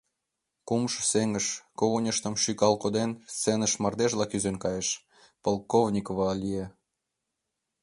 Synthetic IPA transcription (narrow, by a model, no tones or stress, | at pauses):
kumʃseŋəʃkoɣonʲəʃt̪ə̆mʃykɑlkod̪enst͡sːenə̆ʃmɑrd̪eʒlɑkyzenkɑjeʃ | polˠkovnʲikovɑlʲie